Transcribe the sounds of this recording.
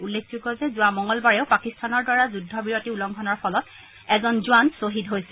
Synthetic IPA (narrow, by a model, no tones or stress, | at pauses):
ulːek̚ʰzuɡɔzɛzʊamɔŋɔlbaɹɛʊpakistʰanɔɹdaɹazudʱːɔbiɹotiulɔŋɡʰʱɔnɔɹpʰɔlɔt̚ | ɛzɔnzʊansoɦitɦojsɛ